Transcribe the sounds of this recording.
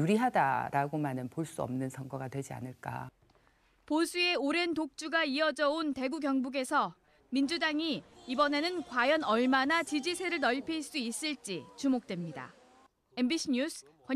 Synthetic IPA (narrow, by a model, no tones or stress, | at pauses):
uɾiɦada̰ɾʔaɡomanɯnpoɭs͈uʌ̰mnɯnsʰʌŋɡʌɡadwe̞d͡ʑia̰nɯɭk͈a̰ | posʰue̞oɾe̞ntok̚t͡ɕ͈uɡaiʌd͡ʑʌonte̞ɡuɡjʌŋbuɡe̞sʰʌ | mind͡ʑudaŋiibʌne̞nɯnkwajʌnʌɭmanat͡ɕid͡ʑisʰe̞ɾɯɭnʌʎpʰeiɭs͈uis͈ɯɭt͡ɕ͈it͡ɕumok̚t͈wemɲida̰ | e̞nbiɕʰiɲusʰ | kwa